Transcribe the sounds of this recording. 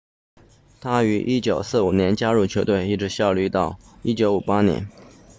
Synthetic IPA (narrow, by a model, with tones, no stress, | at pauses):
t̪ʰa˥y˧˥ʔi˥t͡ɕjo˨˩ʊsɹ̩˥˩u˨˩njɛ˧˥nt͡ɕja˥ɻu˥˩t͡ɕʰjo˧ʊt̪we˥˧ɪi˥˩ʈ͡ʂɻ̩˧˥ɕjɑ˥˧ʊly˥˧t̪ɑ˥˩ʊi˥t͡ɕjo˧˥ʊu˨˩pa˥njɛ̰˧˥n